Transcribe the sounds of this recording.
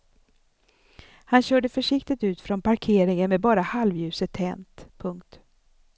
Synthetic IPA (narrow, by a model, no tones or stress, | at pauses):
hanɕœːɖəfœʂɪkt̪ɪt̪ʉ̟ːt̪fɾɔnpʰaɾkʰeːɾɪŋənmɛbɑːɾahalvjʉ̟ːsət̪ʰːɛnt̪pʰɵŋkt̪